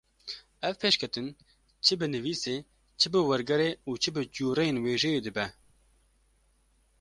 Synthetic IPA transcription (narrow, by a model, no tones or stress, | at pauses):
ɛvpʰeːʃkʰɛt̪ɨn | t͡ʃʰɨbɨnɨviːseː | t͡ʃʰɨbɨwɛɾɡɛɾeːuːt͡ʃʰɨbɨd͡ʒuːɾejenweːʒɛjeːd̪ɨbɛ